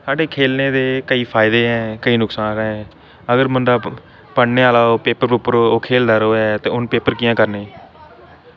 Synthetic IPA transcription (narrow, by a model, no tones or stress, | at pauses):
saːɖeːkʰeːlneːd̪eːkəiːpʰaːɪd̪eːɦɛ̃ːkəiːnʊksaːnɦɛ̃ː | əɡəɾməɳɖaː | pəɳneːaːlaːoːpeːpəɾpupəɾoːoːkʰeːld̪aːɾoːɛt̪eːʊnpeːpəɾkɪjãːkəɾneː